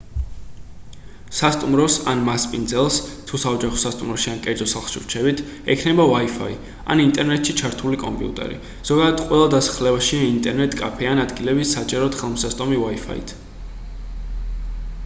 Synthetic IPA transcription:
sast̪ʼumɾɔsanmaspʼind̪zɛlˠst̪ʰusaɔd͡ʒaχɔ̥sast̪ʼumɾɔʃiankʼɛɾd̪zɔsalˠχʃḭɾt͡ʃʰɛbit̪ʰ | ɛkʰnɛbavaifa̰i | a̰nint̪ʼɛɾnɛt̪ʃit͡ʃʰaɾt̪ʰulikʼɔ̰mpʼḭṵt̪ʼɛ̰ɾḭ | z̥ɔɡad̪ad̪̥qʼwɛlˠad̪asḁχlɛbaʃiaint̪ʼɛɾnɛt̪ʼkʼa̰pʰɛanad̪ɡilɛbisat͡ʃʼɛɾɔt̪χɛlˠmsast̪ʼɔmivaifʰa̰ḭt̪ʰ

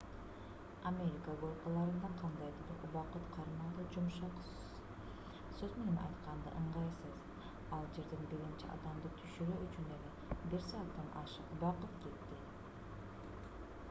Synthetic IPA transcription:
amʲe̞ɾʲikaɡoɾˠqɑlˠɑɾɯnd̪ɑɴqʰɑnd̪ɑjd̪ɯbɯɾuβɑqɯt̪qʰɑɾmɑd̪ɯd͡ʒumʃɑqs | z | søzme̞ninʔɑ̰jt̪qʰɑnd̪ɑ̰ʔɯɴʁɑjsɯz | ɑlˠd͡ʒe̞ɾd̪enbiɾint͡ʃḭʔɑ̰d̪ɑmd̪ɯt̪ʰyʃyɾøʔyt͡ʃynele | biɾsɑːt̪ːɑnɑʃɯquβɑqɯt̪ke̞t̪ːɪ

